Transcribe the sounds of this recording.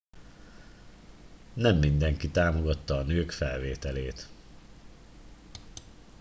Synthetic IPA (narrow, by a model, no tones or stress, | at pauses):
nɛmːind̪ɛŋkit̪aːmo̞ɡɒt̪ːɒːnøːkfɛlveːt̪ɛleːt̪